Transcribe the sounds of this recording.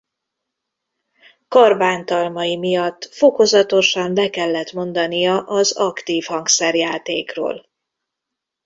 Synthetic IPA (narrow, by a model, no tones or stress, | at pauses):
kɒrbaːnt̪ɒlmɒjimijɒt̪ːfo̞ko̞zɒt̪o̞ʃɒmbɛkɛlːɛt̪mo̞nd̪ɒnijɒʔɒzɒkt̪iːfhɒŋksɛrjaːt̪eːkro̰ːl